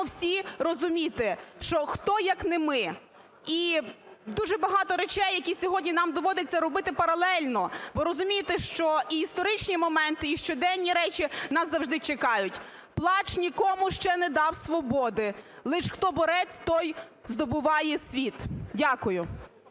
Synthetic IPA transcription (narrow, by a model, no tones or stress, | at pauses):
wsʲirɔzʊmʲit̪ɪʃt͡ʃɔxt̪ɔjɐknɪmɪ | i | d̪uʒɛbɐɦɑt̪ɔɾet͡ʃɛjːɐkʲisʲɔɦɔdʲnʲinɑmd̪ɔʋɔd̪ɪt͡sʲːɐɾɔbɪt̪ɪpɐɾɐlˠɛlʲnɔʋɪɾɔzʊmʲijet̪ɛʃt͡ʃɔiist̪ɔɾɪt͡ʃnʲimɔmɛnt̪ɪiʃt͡ʃɔd̪ɛnʲnːʲiɾɛt͡ʃinɑszɐwʒd̪ɪt͡ʃekɑjʊtʲ | plˠɑt͡ʃnʲikɔmʊʃt͡ʃɛnɛd̪ɑwsʋɔbɔd̪ɪlˠɪʃxt̪ɔbɔɾɛt͡sʲt̪ɔjzd̪ɔbʊʋɑjɛsʲʋʲit̪dʲakʊjʊ